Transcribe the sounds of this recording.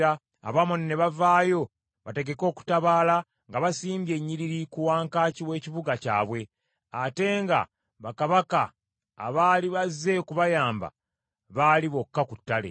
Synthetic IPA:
a̰ː | βamonne̞βavaːjo̞ | βate̞ɡe̞ko̞ːku̥taβaːla | ŋɡaβasiːmbje̞ɲːiɾiɾikuwaːŋkaːciwe̞ːciβuɡaca̰ːβwe̞ | ate̞ːŋɡa̰ | βakaβaka | a̰βaːliβaze̞kuβajaːmba̰ | βaːliβo̞kːakutːalḛ

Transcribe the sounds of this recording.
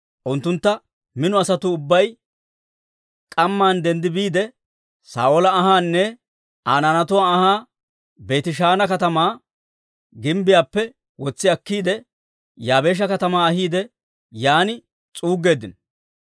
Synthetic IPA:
ʔʊnt̪ːʊnt̪ːɐ | mɪnʊɐsɐt̪ʊːbːɐj | kʼɐmːaːnd̪ɛnd̪ɪbiːd̪ɛ | sa̰ːʔolɐːɦaːnːɛ | aːnaːnɐt̪̬ʊwaːhaː | be̞ːt̪ɪʃaːnɐkɐt̪ɐmaː | ɡɪmbɪjaːpːɛ | wɔt͡sːɪɐkːiːd̪ɛ | jaːbe̞ːʃ̬ɐkɐt̪ɐmaːɐɦiːd̪ɛ | jaːnɪ | t͡sʼuːɡːe̞ːd̪ɪn

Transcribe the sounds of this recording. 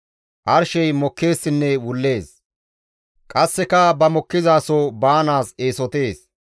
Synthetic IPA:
ʔɐɾʃɛjmɔkːe̞ːsːɪnːɛwʊlːe̞ːs | kʼɐsːɛkɐbɐmɔkːɪzaːsɔbaːnaːse̞ːsɔt̪e̞ːs

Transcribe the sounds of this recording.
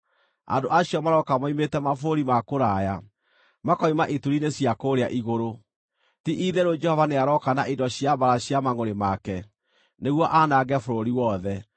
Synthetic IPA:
a̰ndoʔaɕiɔmaɾɔkamaimetɛmafoɾoɾimakoɾaːja | makɔimaʔituɾinesiakoɾea̰ʔiɣoɾo | tiʔiðɛɾod͡ʒɛhɔvaneaɾɔkanaʔidɔɕjabaɾaɕjamaŋoɾemakɛ | neɣwɔʔanaɡɛfoɾoɾiwɔðɛ

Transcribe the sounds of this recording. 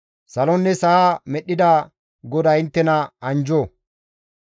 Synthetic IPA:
sɐlɔnːɛsɐaːmɛɗːɪd̪a | ɡɔd̪ɐɪnt̪ːɛnɐɐnd͡ʒo

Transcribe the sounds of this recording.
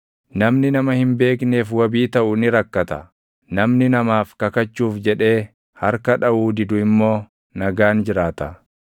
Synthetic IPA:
nɐmnɪnɐmɐhɪmbe̞ːkne̞ːfwɐbiːt̪ɐʔʊnɪɾɐkːɐt̪ɐ | nɐmnɪnɐmaːfkɐkɐt͡ʃːuːfd͡ʒɛᶑe̞ː | hɐɾkɐᶑɐʔuːd̪ɪd̪ʊɪmːo̞ː | nɐɡaːnd͡ʒɪɾaːt̪ɐ

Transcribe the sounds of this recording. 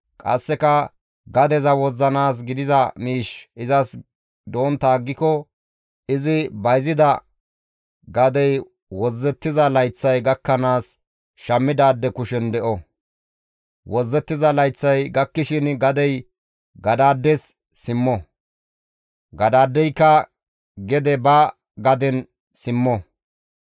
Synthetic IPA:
kʼɐ̰sːɛkɐ | ɡɐd̪ɛzɐwɔzːɐnaːs̬ɡɪd̪ɪzɐmiːʃɪzɐs | d̪o̞ːnt̪aːɡːɪkɔ | ɪzɪbɐjzɪd̪ɐ | ɡɐd̪ɛj | wɔzːɛt̪ːɪzɐlɐjt͡sːɐjɡɐkːɐnaːs | ʃɐmːɪd̪aːd̪ːɛkʊʃɛnd̪ɛʔɔ | wɔzːɛt̪ːɪzɐlɐjt͡sːɐjɡɐkːɪʃɪnɡɐd̪ɛj | ɡɐd̪aːd̪ːɛs | sɪmːɔ | ɡɐd̪aːd̪ːɛjkːɐ | ɡɛd̪ɛbɐ | ɡɐd̪ɛn | sɪmːɔ

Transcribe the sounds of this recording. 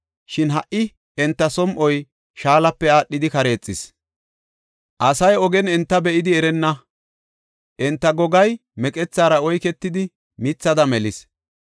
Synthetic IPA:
ʃɪnɦɐʔɪ | ɛnt̪ːɐsɔmʔɔj | ʃaːlɐpːɛaːɗːɪd̪ɪkɐɾe̞ːt͡sʼːɪs | ʔɐsɐjɔɡɛnɛnt̪ːɐbɛʔɪd̪ɪɛɾɛnːɐ | ʔɛnt̪ːɐɡɔɡɐjmɛkʼɛt͡sːaːɾɐɔjkɛt̪ːɪd̪ɪ | mɪt͡sːɐd̪ɐmɛlɪs

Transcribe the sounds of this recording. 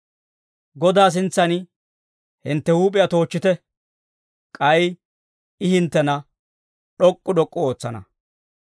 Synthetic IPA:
ɡɔd̪aːs̬ɪnt͡sːɐnɪ | hɪnt̪ːɛhuːpʼɪjɐt̪o̞ːt͡ʃːɪt̪ɛ | kʼɐj | ɪhɪnt̪ːɛnɐ | ɗɔkʼːʊɗɔkʼːɔoːt͡sːɐnɐ̰

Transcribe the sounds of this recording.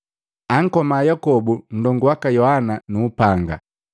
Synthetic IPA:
aŋ̩kɔmaːjakɔbun̩dɔŋɡuwakajɔhananuːpaŋɡa̰

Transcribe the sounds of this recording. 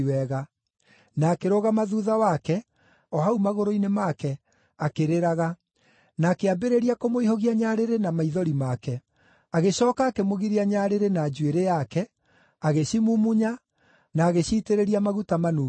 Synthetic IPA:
wɛɣa | naːkeɾoɣamaðuðawakɛ | ɔhaumaɣoɾoinemakɛ | akeɾeɾaɣa | naːkeabeɾeɾiakomoihɔɣiaɲaɾeɾenamaiðɔɾimakɛ | aɣeɕɔːkaːkɛmoɣiɾiaɲaɾeɾenaːd͡ʒweɾejakɛ | aɣeɕimumuɲa | naːɣeɕiːteɾeɾiamaɣutamanuː

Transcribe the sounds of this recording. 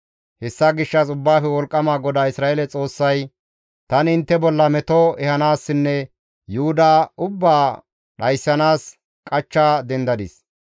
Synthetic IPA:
hɛsːaɡɪʃːɐsʊbːaːfɛwɔlkʼːɐmaːɡɔd̪aːɪsɾaːʔeːlɛt͡sʼo̞ːsːɐj | t̪ɐnɪnt̪ːɛbɔlːɐmɛt̪oɛhɐnaːsːɪnːɛ | jʊʊd̪aʊbːaː | ɗɐjsːɐnaːs | kʼɐt͡ʃːaːd̪ɛnd̪ɐd̪ɪs

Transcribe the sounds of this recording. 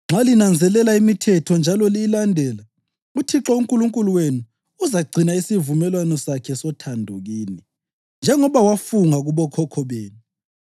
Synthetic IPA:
ŋ͡ǁʱalinand͡zʱɛlɛlaimitʰɛtʰɔnd͡ʒʱalɔliilandʱɛːla | utʰiǁɔuŋkʼuluŋkʼuluwenuː | zaɡ͡ǀʱinaisivumɛlwanɔsakʰɛsɔtʰandʱɔɣiːni | nd͡ʒʱɛŋɔβawafuŋaɣuβɔkʰɔkʰɔβeːni

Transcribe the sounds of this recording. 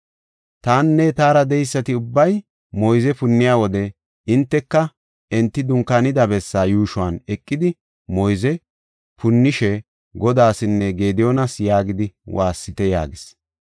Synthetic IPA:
t̪aːnːɛt̪aːɾɐd̪ɛjsːɐt̪ɪʊbːɐj | mɔjzɛpʊnːɪjaːwɔd̪ɛ | ɪnt̪ːɛkːɐ | ɛnt̪ːɪd̪ʊŋkanɪd̪ɐbɛsːaːjuːʃʊwaːnɛkʼːɪd̪ɪ | mɔjzɛ | pʰʊnːɪʃɛ | ɡɔd̪aːsɪnːɛɡe̞ːd̪ɪjɔnɐsjaːɡɪd̪ɪwʔaːsːɪt̪ɛja̰ːɡɪs

